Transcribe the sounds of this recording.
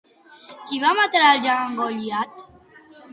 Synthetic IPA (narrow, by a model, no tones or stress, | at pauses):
kivamat̪ɾald͡ʒaaŋɡɔʎiat̪